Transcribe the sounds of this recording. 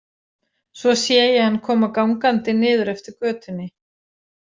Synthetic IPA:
svɔsjɛːjɪhanːkʰɔːmakawŋkant̪ɪnɪːðʏɾɛft̪ɪɾ̥kœːt̪ʏnːɪ

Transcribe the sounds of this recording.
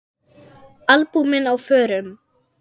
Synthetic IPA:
alpumɪnawfœːɾʏm

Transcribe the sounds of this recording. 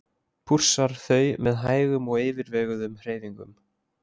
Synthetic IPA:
pʰur̥saɾ̥θœːɥmɛðɦaːjɣʏmɔɣeːvɪɾvɛːɣʏðʏmhr̥eːjðiŋkʏm

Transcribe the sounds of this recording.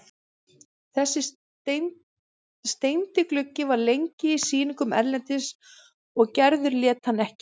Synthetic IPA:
θɛsːɪ | st̪ejnt̪ɪklʏcːɪvaɾlejɲcɪisiːniŋkʏmɛ̰ɾlɛnt̪ɪs | ɔɣcɛɾðʏɾljɛːt̪hanːɛhcɪ̥

